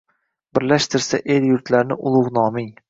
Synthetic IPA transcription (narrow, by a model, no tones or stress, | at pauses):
bɪɾlaʃt̪ʰɪɾsaʔeljʊɾt̪ʰlaɾnɪ̰ʔʊlˠʊʁnɒmɪŋ